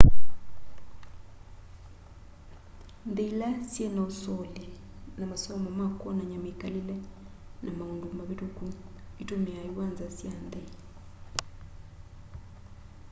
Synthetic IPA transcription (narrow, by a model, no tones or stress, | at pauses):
nd̪eilasjenaosɔle | namasɔmamakwɔnaɲamekalelɛ | namaundumaβitoku | itomeajuwanzasjandɛ